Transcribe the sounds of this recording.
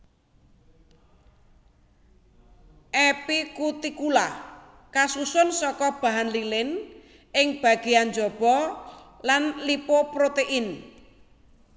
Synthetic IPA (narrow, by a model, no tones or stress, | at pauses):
ʔepikut̪ikula | kasusʊnsɔkɔb̥ä̤ɦanlilɪn | ʔɪŋb̥a̤ɡ̥ianɲd͡ʒɔb̥ɔlanlipopɾot̪eʔin